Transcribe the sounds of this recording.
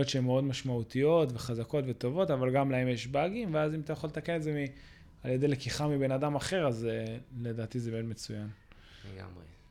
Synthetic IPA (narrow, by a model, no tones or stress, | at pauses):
otʃeemːeo̞dmaʃmaut̪ijo̞tve̞χazako̞tve̞t̪o̞vo̞tavalɡamlae̞mjeʃbaɡimveazimat̪ajaχolet̪akene̞tzemi | aljedelekiχamibe̞nadamaχe̞ʁazele̞d̪aːt̪izebemed̪me̞t͡sujan | leɡa̰mʁe